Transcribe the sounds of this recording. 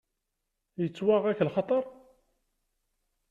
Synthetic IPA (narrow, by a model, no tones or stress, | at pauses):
jət͡sːwaʁækːlχɑt̪ˤəɾˤ